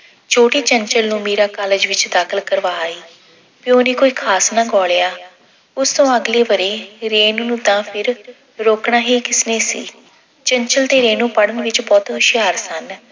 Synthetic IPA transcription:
t͡ʃʰoːʈiːt͡ʃəɲt͡ʃəlnũːmiːɾaːkaːləd͡ʒʋɪt͡ʃd̪aːkʰəlkəɾʋaːiː | pjõniːkoːiːkʰaːsnaːɡɔːɭeːaː | ʊst̪õːəɡleːʋəɾeːɾeːnːũːt̪ãːpʰɪɾ | ɾoːkɳaːɦiːkɪsneːsḭː | t͡ʃəɲt͡ʃəlt̪eːɾeːnũːpəɽənʋɪt͡ʃbɔːt̪ɦʊʃjaːɾsən

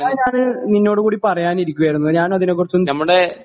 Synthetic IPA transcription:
aɲaːnɨninːo̞ːɽukuːɽipɐrɐjaːniɾikʲːuɣɐajɾunːɐðɲaːnɐðinekːurɐt͡ɕːonːnɐmːuɽe

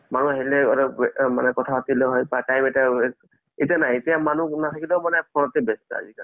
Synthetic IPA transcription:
manuaɦilɛɔɾmanɛkɔtʰabatilɛɦɔjpatajmeta | etianajetijamanunat̪ʰakilɛʊmanɛpʰɔɹɔtɛbɛsta̰a̰zika

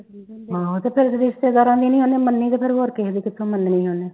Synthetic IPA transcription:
bat̪ːpʰɪɾsdist̪eːd̪aːɾãːd̪iːnĩːɦoːnd̪eːmənːiːt̪eːpʰɪɾoːəɾkeɦd̪iːkɪt̪ʰːõːmənːnĩːɦoːnd̪eː

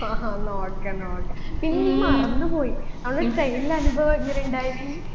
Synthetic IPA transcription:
aːɦanoːʈkːɐnoːkːɐpinːeimɐrɐnːɨpoːjiɐʋɐɭeʈɐjilːɐnubʱɐʋɐŋːɐɾeɳɖaːjipi

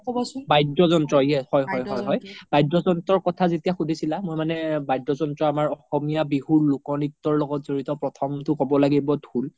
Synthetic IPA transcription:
kɔbɔsbajdɹɔzɔntɹɔiɛhɔjɦɔjɦɔjɦɔjbajdɹɔzɔntɹɔɹkɔtʰazetijaxudʱisilamojmanɛbajdɹɔzɔntɹɔamaɹɔxɔmijabihuɹlukɔnitːɔɹlɔɡɔtz̥oɹitɔpɹɔtʰɔmtʊkɔbɔlaɡibɔdʱul

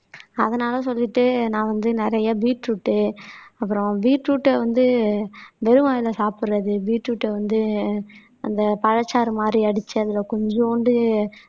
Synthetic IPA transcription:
ɐðɐnaːlɐsɔlːɪʈːɯnãːʋɐnd̪ɯnɪɾɐjɐbiːʈɾuːʈːɯɐpːɯɾɔ̃biːʈɾuːʈːeʋɐnd̪ɯ | bɛɾɯmaːjɪlɐsaːpɯɾɾɐðɯbiːʈɾuːʈːeʋɐnd̪ɯ | ɐ̰nd̪ɐpɐɻɐt͡ʃːaːɾɯmaːd̪ɾiɐɽɯt͡ʃːɯɐðɯlɐkɔɲd͡ʒoɳɖɯ

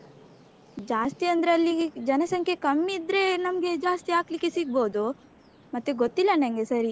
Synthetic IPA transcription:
d͡ʒaːst̪iɐnd̪ɐɾeɐlːid͡ʒɐnɐsɐŋkʰjekɐmːid̪ɾe̞nɐmɡe̞d͡ʒaːst̪iaːklikːesiːɡ̚boːd̪u | mɐt̪ːuɡot̪ːilːɐnɐŋɡesɐɾi

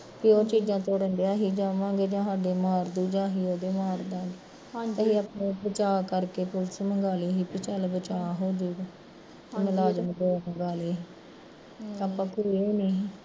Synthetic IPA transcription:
kioːt͡ʃiːd͡ʒãːt̪oːɽə̃ːnd̪eːaːɦiːd͡ʒãːʋãːŋɡeːd͡ʒãːɦaːɖeːmaːɾd̪uːd͡ʒãːɦiːoːd̪eːmaːɾd̪ãːɡeː | t̪əɦiːaːpnẽːbət͡ʃaːkəɾkeːpʊlsməŋɡaːleːɦiːpɪt͡ʃaːleːbət͡ʃaːɦoːd͡ʒuːɡaː | məlaːd͡ʒməɡoːməŋɡaːleːɦiː | aːpãːkʊːeːniːɦː

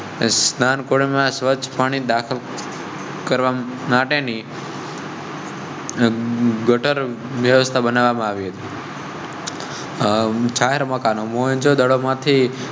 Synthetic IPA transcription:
snankoɽemãsʋət͡ʃʰpaɽ̃id̪akʰəl | kəɾʋa | maʈeni | ɡəʈʰəɾ | ʋjəʋəst̪ʰabənaʋːamãaʋiɦət̪i | t͡ʃaɦeɾməkanomoẽd͡ʒod̪əɽomãt̪ʰi

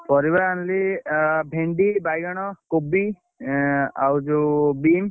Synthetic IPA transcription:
pɔɾiβaɾanlibʱeɳɖibajɡɔɽ̃ɔkobi | a̰wd͡ʒobim

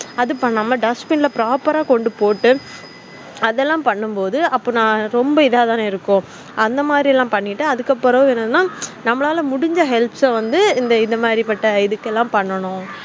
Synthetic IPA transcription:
ɐðɯpɐɳːaːmɐɖɐspɪnlɐpɪɾaːpɐɾaːkɔɳɖɯpoːʈːɯ | ɐðɛlːãːpɐɳːɯmpoːðɯɐpːoːnãːɾɔmbɐɪðaːt̪ãːnɪɾɯkːõ | ʔɐnd̪ɐmaːd̪ɾiɛlːãːpɐɳːɪʈːɯɐðɯkːɐpːɯɾɐʋɛnːɐðɯnaːnɐmːɐɭaːlɐmʊɽɪɲd͡ʒɐɦɛlpsɐʋɐnd̪ɯɪnd̪ɐɪnd̪ɐmaːd̪ɾipɐʈːɐɪðɯkːɛlːãːpɐɳːɐɳʊ̃

